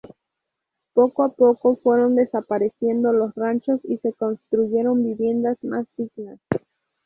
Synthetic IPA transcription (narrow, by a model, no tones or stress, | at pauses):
po̞koapo̞ko̞fwe̞ɾo̞nd̪e̞sapaɾe̞sje̞nd̪o̞lo̞srant͡ʃo̞sise̞ko̞nst̪ɾuʝe̞ɾo̞mbiβje̞nd̪azmazd̪iɣnas